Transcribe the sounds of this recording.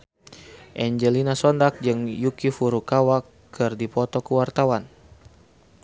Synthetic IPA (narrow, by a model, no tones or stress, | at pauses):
ʔɛɲd͡ʒɛlinasɔndak̚d͡ʒɨŋjukifuɾukawakːɨrdipɔt̪ɔkuwart̪awan